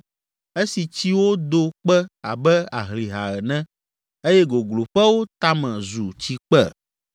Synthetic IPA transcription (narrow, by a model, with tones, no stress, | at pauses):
e˦si˨t͡ɕi˦wo˦d̪o˦k͡pɛ˦a̰˨bɛ˦a˨ɦli˨ɦa˨ɣɛ˨nɛ̃˦ | e˦jɛ˦ɡo˨ɡlo˨ɸɛ˦wo˦t̪a˦mɛ̃˨zu˨t͡ɕi˦k͡pɛ˦˨